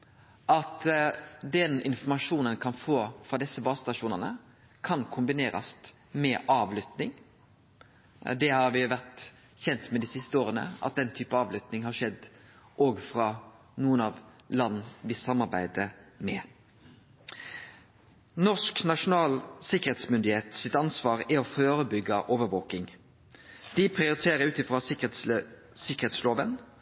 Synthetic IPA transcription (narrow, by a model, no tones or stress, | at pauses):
ʔɑt̪d̪ɛnɪnfɔmɑʂuːnənkʰɑnfoːfɾɑd̪ɪsːəbɑːst̪ɑʂuːnənə̰ | kʰɑnkʰʊmbɪneːɾɑ̰st̪ | mɛʔɑːʋlʏt̪nɪŋ | d̪ɛhɑɾʋɪʋæʁt̪ | çɛnt̪mɛd̪iːsɪst̪əoːʁənə̰ʔɑ̰t̪̚d̪ɛnt̪ʰyːpəɑːʋlʏt̪nɪŋhɑʂɛd̪ | ʔoːɡfɾɑ | nuːənɑʋ | lɑnːʋɪsɑmːɑʁɾbæɪd̪əmɛ | nɔʂknɑʂʊnɑːlsɪkːəɾeːt̪smʏnd̪ɪheːt̪sɪt̪ɑnsʋɑːʁɪɔføːɾəbʏɡːɑʔoːʋəɾʋoːkɪŋ | d̪̥ɪpʰʁɪʊɾɪt̪ʰeːɾəɾʉːt̪ɪfʁɑ | sɪkəʁheːt̪sloːʋən